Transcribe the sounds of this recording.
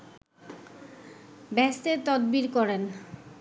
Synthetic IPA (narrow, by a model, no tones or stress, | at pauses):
bɛst̪et̪ɔd̪̚biɾkɔɾen